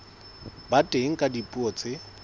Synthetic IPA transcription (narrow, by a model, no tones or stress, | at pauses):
batʼeŋ̩kʼadipʼuɔːt͡sʼɪ